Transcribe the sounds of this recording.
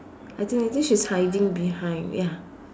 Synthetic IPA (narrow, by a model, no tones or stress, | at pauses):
atʰɪ̃ŋatʰɪ̃ʃishaɪdɪ̃ŋbihãɪ̃ndja